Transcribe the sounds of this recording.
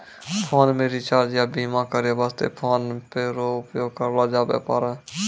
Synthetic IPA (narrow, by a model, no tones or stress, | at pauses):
pʰoːnmeːɾit͡ʃaːd͡ʒjaːbiːmakəɾjabaːst̪ḛːpʰoːnpeːɾoʊpjoːɡ̚kəɾlaːd͡ʒaːbḛːpaːɾɛː